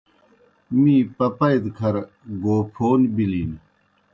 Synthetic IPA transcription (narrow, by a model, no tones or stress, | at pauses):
mĩːpɐpɐjd̪kʰɐɾ | ɡoːpʰoːnbiliːn